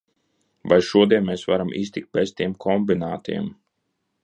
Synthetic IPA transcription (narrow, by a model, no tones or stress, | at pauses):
vajʃuɔd̪iɛnmɛːsvaɾamʔḭːst̪ʲik̚t̪̚bez̥t̪iɛmkʰɔmbinaːt̪ḭɛm